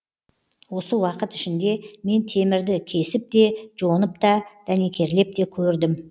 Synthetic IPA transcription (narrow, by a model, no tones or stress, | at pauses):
wo̞səwɑqət̪ɪ̥ʃɪnd̪e̞me̞nt̪ʰe̞mɪɾd̪ɪkʲʰe̞sɪp̚t̪e̞ʒo̞nəp̚t̪ɑd̪̥æne̞kʲʰe̞ɾle̞p̚t̪e̞kʲʰɵɾd̪ɪm